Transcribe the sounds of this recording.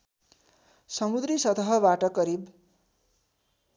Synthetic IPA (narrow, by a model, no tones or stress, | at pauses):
sʌmud̪risʌt̪ʌɦʌbaʈʌkʌɾib